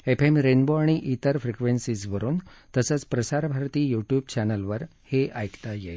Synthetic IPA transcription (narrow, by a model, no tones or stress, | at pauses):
epʰemɾenboaɽ̃iʔit̪əɾfɾikʋensid͡zbəɾuːnt̪əsət͡spɾəsaɾbʱaɾt̪iːjuʈjuːb̚t͡ɕænəlʋəɾ | heʔajkt̪ajḛ